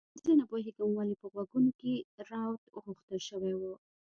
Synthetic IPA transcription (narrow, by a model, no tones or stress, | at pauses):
zənapoheɡəmwalipəɣwaɡunokeɾɑwt̪ɣuxt̪əlʃəwewu